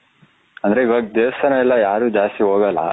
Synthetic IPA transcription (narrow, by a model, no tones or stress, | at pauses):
ɐnd̪ɐɾeiʋaːɡd̪eːʋɐst̪ɐnɐɛlːɐjaːɾuːd͡ʒaːst̪iɦoːɡɐlːɐ̰